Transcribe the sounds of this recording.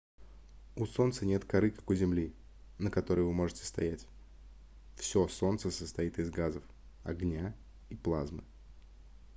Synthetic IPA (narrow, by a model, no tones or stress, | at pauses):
uso̞nt̪sənʲe̞t̪kɐɾɨkḁkʊzʲɪmlʲi | nəkɐt̪o̞ɾəjvɨmo̞ʐɨtʲɪ̥st̪ɐjætʲ | fsʲoso̞nt̪səsəst̪ɐit̪ɨzɡazəf | ɐ̰ɡnʲa | iplˠazmɨ̰